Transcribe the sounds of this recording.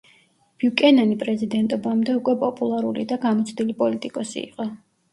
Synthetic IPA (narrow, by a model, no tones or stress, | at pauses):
b̥iukʼɛnanipʼɾɛzid̪ɛnt̪ʼɔbamd̪ɛukʼwɛpʼɔpʼulˠaɾulḭd̪aɡamɔt̪sʰʼd̪ilipʼɔlit̪ʼikʼɔsḭːqʼɔ